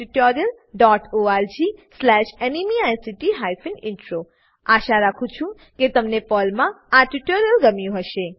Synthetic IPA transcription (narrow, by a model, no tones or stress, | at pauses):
ʈiʈoɾijəl | ɖɔʈoaɾd͡ʒislɛʃenimiajsiʈiɦajfʰinɪɳʈɾo | aʃaɾakʰũt͡ʃʰũ | ket̪əmnepɔlmã | aʈiʈoɾjəlɡəmijũɦəʃe